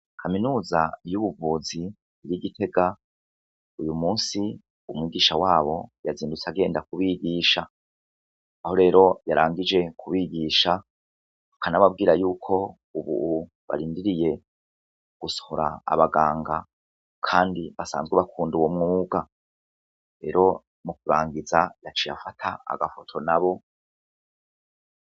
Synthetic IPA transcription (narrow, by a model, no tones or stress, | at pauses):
kʰaminuːzajuβuvuːziː | ɾiɡitʰe̞ɡa | ujumuːnsi | umŋwiːɡiːʃawaːβo̞̰jaziːndut͡saɡe̞ːndakuβiɡiːʃa | ho̞ɾe̞ːɾo̞jaɾaːŋɡid͡ʒe̞kʰuβiɡiːʃa | akanaβab̚ɡiːɾajuːkʰo̞ | uβṵu | βa̰ɾiːndiɾije̞ | ɡ̥usohoɾa̰ːβaɡaːŋɡa | kʰaːndiβasa̰ːnzɡwuβakʰuːnduwomŋuːɡa | ɾe̞ɾo̞ | muk̚uɾaːŋɡizajat͡ʃija̰fatʰaa̰ɡafotʰo̞naβo̞